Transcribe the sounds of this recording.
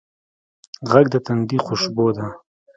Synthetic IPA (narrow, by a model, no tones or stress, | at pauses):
ʁaɡd̪ət̪and̪iχʊʃboːd̪a